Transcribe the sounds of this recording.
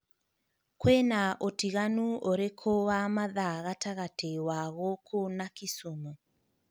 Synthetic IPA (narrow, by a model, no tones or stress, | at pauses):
kwenaʔotiɣanuoɾekʰowamaðaɣataɣatewaɣokʰonakisumɔ